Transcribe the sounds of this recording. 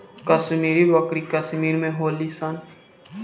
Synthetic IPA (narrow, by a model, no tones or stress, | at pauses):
kɐsmiːɾibɐkɾikəsmiːɾmẽɦoːlisɐn